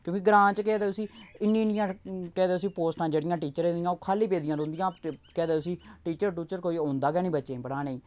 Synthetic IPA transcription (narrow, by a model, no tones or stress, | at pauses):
kjõːkɪɡɾãːt͡ʃkɛːd̪eːʊsĩːɪnːĩːnɪjãːkɛːd̪eːʊsiːpoːsʈãːd͡ʒeːɽɪjãːʈiːt͡ʃəɾẽnd̪ijãːoːkʰaːliːpeːd̪ɪjãːɾõːnd̪ɪjãːkɛːd̪eːt̪ʊsĩːʈiːt͡ʃəɾʈuːt͡ʃəɾkoːiːõːnd̪aːɡɛːnĩːbətːʃẽːbəɽaːneĩː